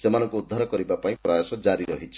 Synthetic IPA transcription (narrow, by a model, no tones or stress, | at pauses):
semanɔkoud̪ʱːaɾɔkʌɾibapaĩprajasɔd͡zaɾiɾʌɦit͡sʰ